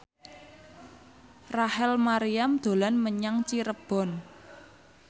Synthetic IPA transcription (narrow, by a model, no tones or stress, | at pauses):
rahɛlmaɾiamd̪̥o̤lanməɲaŋt͡ʃiɾəb̥ɔ̤n